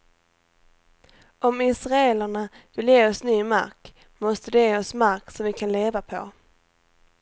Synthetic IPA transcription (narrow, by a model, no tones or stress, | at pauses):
ʔɔmɪsɾaɛlaɳavɪljeːɔsnyːma̰ɾk | mɔst̪əd̪ɛjeːɔsmaɾksɔmvɪkʰanleːvapʰɔ̰